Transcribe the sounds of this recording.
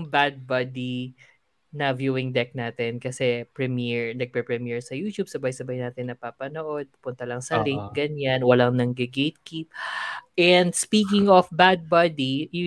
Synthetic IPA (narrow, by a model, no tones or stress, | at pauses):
ŋbad̪̚bad̪i | nɐvjuːɪŋd̪ɛk̚naːt̪ɛnkɐsɛpɹɛmiɹnɐɡ̚pɛpɹɛmɛɹsɐjuːt̪jub̚sɐbajsɐbajnaːt̪ɪnːɐpapɐnoʔo̞d̪̚pɐpʊnt̪ɐlɐŋsɐlɪŋt̪̚ɡɐɲanwɐlaŋnɐŋɡɛɡejt̪̚kip̚ʔɛnd̪spiːkɪŋɔfbad̪̚bad̪i